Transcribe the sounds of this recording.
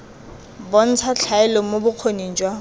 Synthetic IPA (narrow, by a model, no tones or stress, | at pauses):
bon̩t͡sʰat͡ɬʰaɛlɔmobʊq͡χʰonin̩t͡ʃʼwa